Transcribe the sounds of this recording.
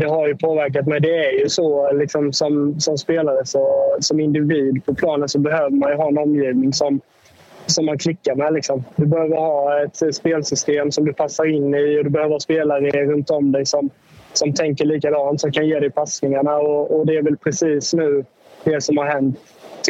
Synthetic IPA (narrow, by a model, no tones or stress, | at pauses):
d̪ɛɦaɾjɵpʰoːvæɾk̬at̪mɛjd̪ɛæɾjɵsɔlɪksɔmsɔmsɔmspeːlaɾəsɔsɔmɪnd̪ɪviːd̪pʰɔpʰlɑːnənsɔbɛɦøːvəɾmanjɵɦɑːɛnɔmjiːvnɪŋsɔm | sɔmːankʰlɪkːaɾmɛlɪksɔmd̪ɵbɛhøːvəɾhɑːɛt̪speːlsʏst̪eːmsɔmd̪ɵpʰasːaɾɪnːɪɔd̪ɵbɛhøːvəɾspeːlaɾəɾɵnt̪ɔmd̪ɛjsɔm | sɔmt̪ʰɛŋkəɾɭiːk̬ad̪ɑːnt̪sɔmkʰanjeːd̪ɛɪpʰasnɪŋaɳaɔɔd̪ɛæɾvɛlpʰɾɛsiːsnʉ̟ː | d̪ɛsɔmhaɾɦɛnt̪ː